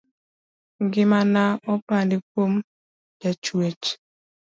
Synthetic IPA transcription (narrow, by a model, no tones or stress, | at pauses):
ɡɪmanaɔpandikom | d͡ʒat͡ʃwet͡ʃ